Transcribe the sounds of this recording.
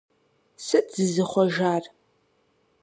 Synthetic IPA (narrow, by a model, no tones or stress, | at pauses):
sɨʔzɨzɨχʷɔʒaːr